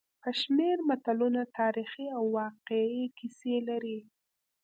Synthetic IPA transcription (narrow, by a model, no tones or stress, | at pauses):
pəʃmeɾmat̪alunat̪ʰɑɾixiawːɑqeikiselaɾi